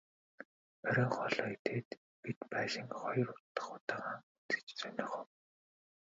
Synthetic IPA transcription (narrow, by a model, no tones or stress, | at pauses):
œɾʲɪːŋχɔɮɔːit̪ʰeːt̪ | pit̪pæːʃɪ̆ŋχɔjɞ̆rʊt̪ːə̥̆χʊt̪aːʁaːŋut͡s̪ɘ̥̆t͡ɕt͡sœnʲɪ̆ːχɔw